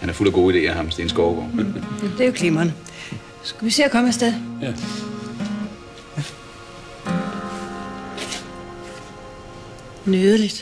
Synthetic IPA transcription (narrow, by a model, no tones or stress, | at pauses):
hænæɐfulɐɡ̥o̝̰ːid̥e̝̰ːæhɑ̈msensɡ̥ɒʊɡ̥ɒ̰jæd̥e̝ɐjokʰlimɐnə | sɡ̥æʋise̝̰ːɐkʰɒ̽mæsd̥eðˠ | nyðˠəlid̥